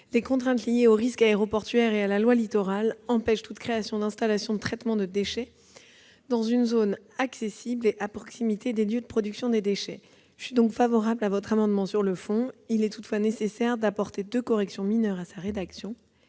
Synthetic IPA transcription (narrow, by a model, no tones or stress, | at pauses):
lekɔ̃t̪χɛ̃t̪lijeoʁiskaeʁɔpɔʁt̪ɥɛʁealalwalit̪ɔʁalɑ̃pɛʃt̪ut̪kχeasjɔ̃d̪ɛ̃st̪alasjɔ̃d̪ət̪χɛt̪mɑ̃d̪əd̪eʃɛ | d̪ɑ̃zynzon | aksesibleʔapχɔksimit̪ʰed̪eljød̪əpχɔd̪yksjɔ̃d̪ed̪eʃɛ | ʒsɥid̪ɔ̃kfavɔʁablavɔt̪χamɑ̃d̪mɑ̃syʁləfɔ̃ilɛt̪ut̪fwanesesɛʁd̪apɔʁt̪ed̪økɔʁɛksjɔ̃minœʁasaʁed̪aksjɔ̃